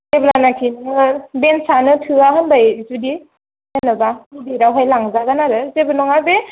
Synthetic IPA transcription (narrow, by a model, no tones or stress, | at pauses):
eblanakʰinɯɯbensanɯtʰɯaɦɯnbajzudi | enɯbaibiɾawɦajlaŋzaɡanaɾɯzebɯnɔŋabe